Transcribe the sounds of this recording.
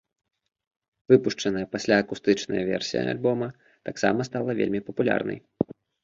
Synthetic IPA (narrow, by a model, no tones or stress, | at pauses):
vɨpuʂt͡ʂɐnɐjɛpasʲlʲaɐkust̪ɨt͡ʂnɐ̰jɐvʲɛ̰rsʲijɐ̰a̰lʲbɔmɐ | t̪aksa̰mɐst̪alˠɐvʲḛlʲmʲipɐpulʲa̰rnɐ̰j